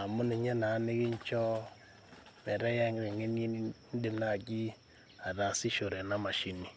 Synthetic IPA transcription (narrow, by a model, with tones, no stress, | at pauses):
a˨mu˦ne˨ɲɛ˦na˨˦ne˦ɣe˦ɲt͡ʃɔ˦ | mɛ˨ɾɛ˦ja˦ŋ˦ɾe˨ŋe˦n˦e˦ | n˦de˨˦mna˦˨ɡi˦ | a˨ða˨si˦ʃo˨ɾɛ˨na˦ma˨ʃi˦ni˨